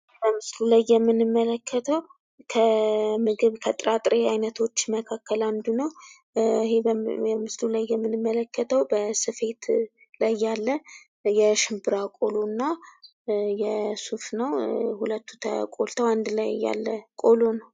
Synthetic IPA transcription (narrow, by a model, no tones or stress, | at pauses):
bəmɨslulajːɛmːɨnɨmːələkʰːət̪ʰəw | kʰəmɨɡɨβkʰət̪ʼɾat̪ʼɾeajnət̪ʰo̞t͡ʃːməkʰakːəland̪unəw | hemɨslulajːɛmːɨnɨmːələkːət̪ʰəwbəsɨfe̞t̪ | lajːalːə | jɛʃɪmbɨɾakʼo̞lonːa | jɛsufnəwhulət̪ʰːut̪ʰə̰kʼo̞̰lt̪ʰəwand̪lajːa̰lːəkʼolonəw